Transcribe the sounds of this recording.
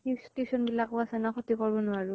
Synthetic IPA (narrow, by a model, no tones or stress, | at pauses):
istesɔnbilakʊasɛnɔxɔtikɔɹbɔnʊaɹʊ